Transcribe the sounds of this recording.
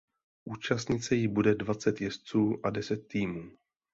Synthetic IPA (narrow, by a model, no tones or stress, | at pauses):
ʔuːt͡ʃast̪ɲɪt͡sɛjɪbudɛdvat͡sɛt̪jɛst͡suːʔadɛsɛt̪ːiːmuː